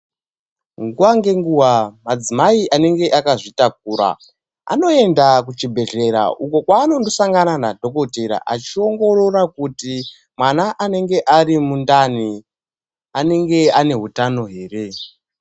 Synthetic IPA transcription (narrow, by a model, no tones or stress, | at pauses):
ŋɡuwaŋɡe̞ŋɡuwamad͡zimaiʔane̞ŋɡe̞ʔakaʐitak̚uːɾa̰ | a̰no̞e̞ndak̬ut͡ʃibʱe̞ɮe̞ɾa̰ʔuko̞kwaːno̞ndo̞saŋɡananadʱo̞ko̞teɾa̰ʔat͡ʃio̞ŋɡo̞ɾo̞rakuti | mwanaʔane̞ŋɡe̞ʔarimundani | ane̞ŋɡe̞ane̞ɦutano̞ɦe̞ːre̞